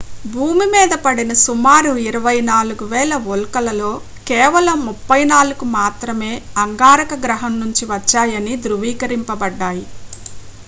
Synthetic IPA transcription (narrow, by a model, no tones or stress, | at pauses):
bʱuːmimiːd̪ɐpɐɽinɐsumaːɾuiɾɐʋɐjnaːluɡuʋɛːlɐʋolkɐlɐlo̞ː | kɛːʋɐlɐmːupːɐjnaːluɡumaːt̪ɾɐme̞ːɐŋɡaːɾɐkɐɡɾɐɦɐmnuɲt͡ʃiʋɐt͡ʃːaːjɐnid̪ɾuʋiːkɐɾimpɐbɐɖːaːji